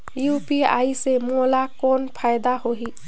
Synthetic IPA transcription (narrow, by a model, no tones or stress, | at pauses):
jupia̰jsemolakonpʰajd̪ahoɦi